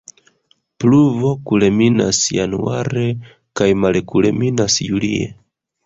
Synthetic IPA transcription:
pluvo̞kulemina̰sjanuaɾe̞ | kajmalekule̞̰minasjuliḛ

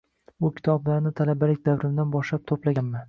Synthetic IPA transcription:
bʊkʲʰɪ̥t̪ʰɒblaɾnɪt̪ʰalabalɪk̚ʲd̪avɾɪmd̪anbɒʃlap̚t̪ʰoplaɡʲanma

